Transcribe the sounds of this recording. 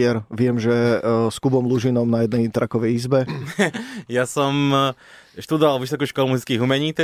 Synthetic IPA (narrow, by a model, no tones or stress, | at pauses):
ɛɾʋɪɛmʒɛskubɔmluʒinɔmnajɛd̪nɛjt̪ɾʔakɔʋɛjizbɛ | jasɔm | ʃt̪ud̪ɔʋalˠʋisɔkuʃkɔlumuzit͡skiːɣumɛɲiːt̪ɛ